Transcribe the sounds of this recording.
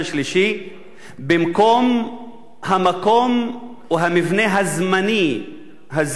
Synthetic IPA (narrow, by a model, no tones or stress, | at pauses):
aʃliʃi | bemko̞m | hamako̞m | uɦamivneɦazmani | ɦaz